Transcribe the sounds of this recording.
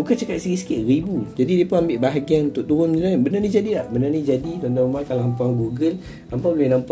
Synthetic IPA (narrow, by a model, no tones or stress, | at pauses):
bukant͡ʃakat̪̚siɡisə̥kiʔribud͡ʒadidiepʊnambɪʔbaɦaɡianunt̪ʊʔ̚t̪uɾʊnmd͡ʒənabənarnĩd͡ʒadilahbənanĩd͡ʒadit̪ond̪aumakalaampaŋɡuɡəl | ampabolɪhnãmp